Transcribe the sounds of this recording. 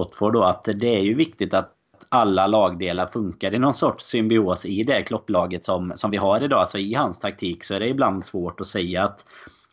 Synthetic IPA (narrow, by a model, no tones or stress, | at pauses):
ɔt̪fɔɖɔat̪d̪ɛæɾjɵvɪkt̪ɪt̪at̪ | t̪alːalɑːɡd̪eːlaɾfɵŋkaɾɪnɔnsɔʈʂsʏmbɪoːsɪd̪ɛkʰlɔpːlɑːɡət̪sɔmsɔmvɪɦaɾɪd̪ɑːlsɔɪhanst̪ʰak̚t̪ʰiːksɔæɖɛɪbland̪svoːʈɔsɛjːaːt̪